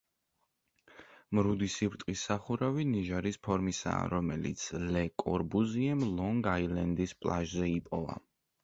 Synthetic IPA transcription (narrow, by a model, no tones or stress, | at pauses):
mɾud̪isibɾt̪ʼqʼisːaχuɾaviniʒaɾispʰɔɾmisa̰ːɾɔmɛlḭt̪sʰlɛkʼɔ̰ɾbuziɛmlˠɔŋɡailɛnd̪ispʼlˠa̰ʒzɛipʼɔva̰